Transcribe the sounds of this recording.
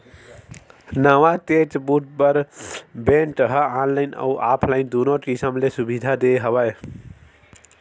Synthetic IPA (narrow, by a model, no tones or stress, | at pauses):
nəwat̪ed͡ʒbuʈ̚bəɾbeɳʈəɦəanlaɪnə̰uʔaːpʰlaɪnd̪unokisəmlesubid̪ʱad̪eɦəbaj